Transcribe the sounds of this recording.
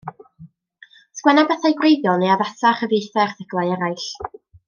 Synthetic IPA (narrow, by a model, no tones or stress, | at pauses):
skwɛnabɛθajɡwrejðjɔlˠneavasaχəvejθɛrθəɡ̥lˠajɛɾajɬ